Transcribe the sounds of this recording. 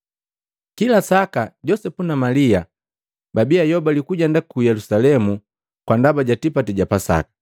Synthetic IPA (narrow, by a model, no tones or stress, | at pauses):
kilasakaɟɔsɛpunamalia | babiajɔbalikuɟandakujɛlusalɛmu | kwandabaɟatipatɛɟapasa̰kḁ